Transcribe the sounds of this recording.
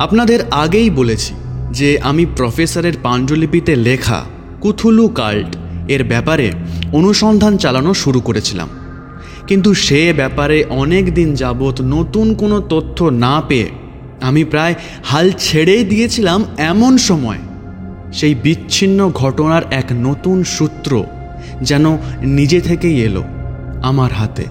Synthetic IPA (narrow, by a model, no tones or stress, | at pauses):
apnad̪eɾaɡejbolet͡ɕʰi̥d͡ʑeʔamipɾɔfesaɾeɾpand͡ʑolip̬it̪elekʰa̰ | kut̪ʰuluka̰lʈeɾbɛpaɾḛonuʃɔnd̪ʱant͡ɕalanoʃuɾukoɾet͡ɕʰila̰m | kint̪̬uʃebɛpaɾeʔɔnekd̪ind͡ʑabot̪not̪unkonot̪ot̪ʰːonapeḛ | amipɾae | halt͡ɕʰeɽejd̪ijet͡ɕʰilamɛmonʃɔmɔe | ʃejbiːɕʰinːoɡʱɔʈonaɾɛknot̪unʃut̪ːɾo̰ | d͡ʑɛnonid͡ʑet̪ʰekejelo̰amaɾɦat̪ḛ